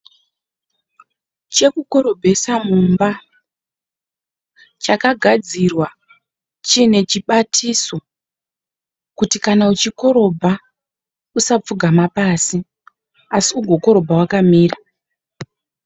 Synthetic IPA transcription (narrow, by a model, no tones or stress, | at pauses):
t͡ʃe̞kuko̞ɾo̞bʱe̞samumba | t͡ʃakaɡʱad͡zirwa | t͡ʃine̞t͡ʃiɓatʰiso̞ | kutikanaut͡ʃiko̞ɾo̞bʱa | usap͡fuɡʱamapaːsi | asiuɡʱo̞ko̞ɾo̞bʱawakamiːra